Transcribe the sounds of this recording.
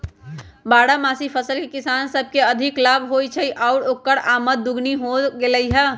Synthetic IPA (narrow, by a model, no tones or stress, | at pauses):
baːɽamaːsipʰəsəlkekɪsansəb̚ʱkeəd̪ʱɪklabʱɦojt͡ʃʰəiʔaʊɾokːəɽaːmət̪̚d̪ʊɡniɦoɡeləɦɛ